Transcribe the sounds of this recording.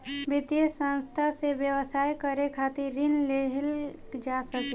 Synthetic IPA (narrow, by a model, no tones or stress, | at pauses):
bɪt̪iəsə̃nst̪ʰaseʋjəʋəsaːjkəɾekʰaːt̪iɾɪnleɦl | d͡ʒaːsəke